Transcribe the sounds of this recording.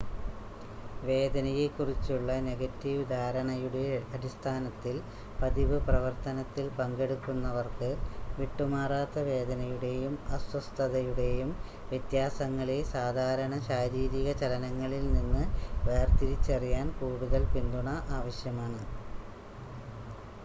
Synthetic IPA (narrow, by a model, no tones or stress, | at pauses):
ʋe̞ːd̪ɐnɐjekːurit͡ɕːuɭːɐne̞ɡɐtːiʋɨd̪ʱaːɾɐɳɐjuɽe̞ɐɽist̪ʰaːnɐt̪ːil | pɐðiʋɨprɐʋɐrt̪ɐnɐt̪ːilpɐŋɡe̞ɽukːunːɐʋɐrkɨʋiʈːumaːraːt̪ːɐʋe̞ːd̪ɐnɐjuɽe̞jumɐsʋɐst̪ʰɐðɐjuɽe̞jum | ʋjet̪jaːsɐŋːɐɭesaːd̪ʱaːɾɐɳɐɕaːɾiːɾiɣɐt͡ɕɐlɐnɐŋːɐɭilninːɨʋeːrt̪iɾit͡ɕːɐrijaːnkuːɽuðɐlpind̪uɳɐʔaːʋɐɕjɐmaːɳɨ